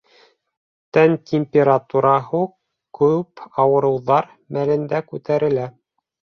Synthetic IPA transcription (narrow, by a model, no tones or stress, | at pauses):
t̪ænt̪ʲʰemʲpʲeɾat̪uɾɑɦu | kʉpɑwɤ̆ɾɤ̆wðɑɾ | mælɘ̆nd̪ækʉt̪æɾɘ̆læ